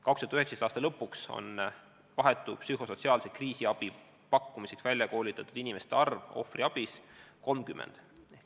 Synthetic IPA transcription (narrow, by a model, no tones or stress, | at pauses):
kɑkst̪yɑt̪yheksest̪ɑːst̪ɑlɤpːukso̞̰n | vɑɦe̞t̪ːˑupsyɦo̞so̞t̪siɑːlsekriːsiɑb̥i | pɑkːumise̞ksvælʲjɑko̞ːlit̪ːˑɑt̪ːˑud̪̥inime̞st̪eɑrvo̞̰friɑb̥isko̞lmkymːḛnd̪̥